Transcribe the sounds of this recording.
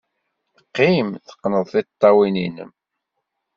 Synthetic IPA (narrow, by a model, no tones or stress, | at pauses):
qːimθə̥qːnəðˤθit̪ˤːɑwininə̰m